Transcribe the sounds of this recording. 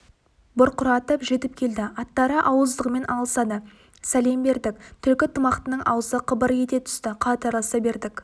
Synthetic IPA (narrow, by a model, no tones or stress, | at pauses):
bʊɾqʰʊɾɑt̪əpʒe̞t̪ɪp̚kʲʰe̞ld̪ɪɑt̪ːɑɾəʔɑwəzd̪əqme̞nʔɑlˠəsɑd̪ə | sæle̞mbe̞ɾd̪ɪk̚t̪ʰʏɾkʲɪt̪ʰəmɑqt̪ənəɴʔɑ̰wəzəqʰəbəɾje̞t̪e̞t̪ʰʏ̥st̪ɪqʰɑt̪ɑɾlˠəsɑbe̞ɾd̪ɪk